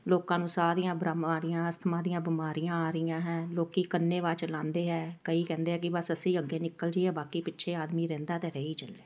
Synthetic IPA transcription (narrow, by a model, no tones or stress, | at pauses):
loːkãːnũːsaːd̪ijãːbɾamaːɾɪjãːəst̪ʰmãːd̪ijãːbɪmaːɾijãːaːɾɪijãːɦɛ̃ːloːkiːkənːeːʋaːt͡ʃlãːnd̪eːɦɛːkəiːkɛ̃ːnd̪eːɦɛːkɪbəsəsĩːəɡːeːnɪkːəld͡ʒiːɦɛːbaːkiːpɪtːʃʰeːaːd̪miːɾɛ̃ːnd̪aːt̪eːɾəːiːt͡ʃəld̪eː